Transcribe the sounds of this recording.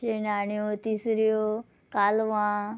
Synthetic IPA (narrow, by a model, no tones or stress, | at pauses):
enaːɳijot̪iːsɾijo | kaːlʋã